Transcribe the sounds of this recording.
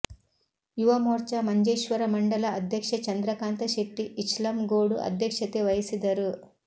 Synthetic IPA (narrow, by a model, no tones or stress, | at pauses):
juʋɐmoːɾt͡ʃɐmɐɲd͡ʒeːʃʋɐɾɐmɐɳɖɐlɐːd̪ʱjɐkʂɐt͡ʃɐnd̪ɾɐkaːnt̪ɐʃekʈːiʔiʃlɐmɡoːɽuʔɐ̰d̪ʱjɐkʂɐt̪eʋɐjsid̪ɐɾu